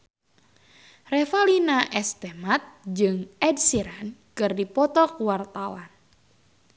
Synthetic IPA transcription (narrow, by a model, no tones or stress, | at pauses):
refalinaʔɛst̪emat̪̚d͡ʒɨŋɛd̚siɾankɨrdipɔt̪ɔkuwart̪awan